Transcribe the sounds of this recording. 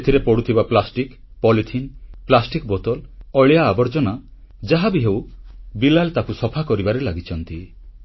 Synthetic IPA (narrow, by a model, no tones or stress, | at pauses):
et̪ʰiɾepɔɽut̪ʰibaplasʈik | pɔlit̪ʰinplasʈikbɔt̪ɔlɔɭjaːbɔɾd͡ʒɔna | d͡ʒaɦabiɦewbilalt̪akusɔpʰakɔɾibaɾelaɡit͡ʃʰɔnt̪i